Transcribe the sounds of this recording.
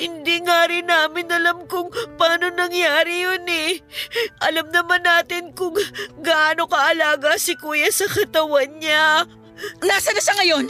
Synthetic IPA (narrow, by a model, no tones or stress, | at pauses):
hɪnd̪iŋaɾɪnaːmɪnɐlamkʊŋpaːno̞nɐŋjaːɾɪjonɛ | ʔɐlamnɐmanːaːt̪ɪnkʊŋɡɐʔaːno̞kɐʔɐlaːɡɐsɪkuːjɐsɐkɐt̪ɐwanɲa | nasɐnɐsɐŋɐjo̞n